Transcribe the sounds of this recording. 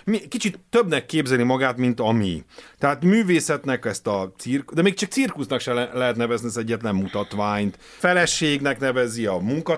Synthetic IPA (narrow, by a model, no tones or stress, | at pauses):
miɛkit͡ʃit̪ːøbnɛkːeːbzɛlnimɒɡaːt̪mint̪ɒmḭt̪ɛɦaːt̪myːveːsɛt̪nɛkɛst̪ɒt̪sirkd̪ɛmeːkt͡ʃɒkt̪sirkusnɒkʃɛllɛɦɛt̪nɛvɛzniɛzɛɟːɛt̪lɛmːmut̪ɒt̪ʋaːɲt̪ | fɛlɛʃeːɡnɛknɛvɛziɒmuŋkɒ